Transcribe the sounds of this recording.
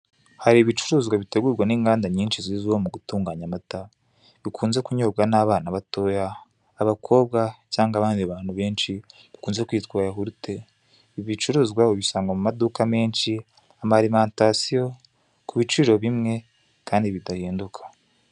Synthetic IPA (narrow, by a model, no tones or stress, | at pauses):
haɾiβit͡ʃuɾuːzɡwaβite̞ɡuːɾɡwaniːŋɡaːndaɲiːnʃiziziwomuɡutuːŋɡaɲamata | βikʰuːnze̞kuɲobɡanaβaːnaβato̞ːjaː | βakʰo̞ːβ̚ɡacaːŋɡaβaːndiβaːnhuβe̞ːnʃi | βikuːnze̞kwiːtkwaːjaɦuɾute̞ | iβit͡ʃuɾuːzɡwaoβisaːŋɡamumadukame̞ːnʃi | amaɾimaːntasijo̞ | kʰuβit͡ʃiːɾo̞βimŋe̞ | kaːndiβitahiːndukʰḁ